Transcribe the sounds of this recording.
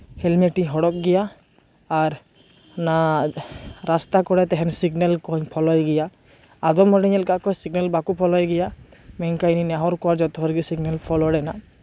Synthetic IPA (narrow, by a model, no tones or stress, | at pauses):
hɛlmeʈiɦɔɽɔk̚ɡɛjaː | ɾ | na | ɾast̪akɔɽɛt̪ɛɦɛnsiɡnɛlkɔɲpʰɔlɔjɡɛjaː | d̪ɔmɔɽiɲɛlkaʔkɔjsiɡnɛlbakupʰɔlɔjɡɛjamɛɲkajninaɦɔɾkɔwaɾd͡ʒɔt̪ɔɦɔɾɡisiɡnɛlpʰɔlɔɽɛna